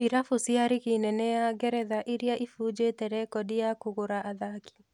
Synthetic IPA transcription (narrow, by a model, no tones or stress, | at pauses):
iɾafusjaɾɪɣinɛnɛjaɡɛɾɛðaʔɪɾjaʔifud͡ʒetɛɾɛkɔdijakoɣoɾaʔaðaki̥